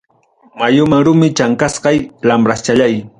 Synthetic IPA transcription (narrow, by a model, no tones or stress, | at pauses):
majʊmaŋɾʊmɪt͡ʃaŋkasqɑjlamɾast͡ʃaʎaj